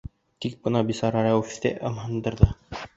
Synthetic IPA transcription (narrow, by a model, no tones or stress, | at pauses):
t̪ik̚bɤ̆nɑbisɑɾɑɾɑwft̪ḛʔɤmhɤ̆nd̪ɤ̆ɾðɤ